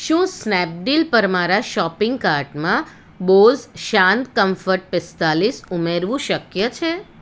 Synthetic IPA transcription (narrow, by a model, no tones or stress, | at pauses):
ʃũːsnɛp̚ɖilpəɾmaɾaʃɔpɪŋɡ̚kaɾʈmã | bolzʃãnt̪kəmfəɾʈ̚pɪst̪alisumeɾʋũʃəkjət͡ʃʰe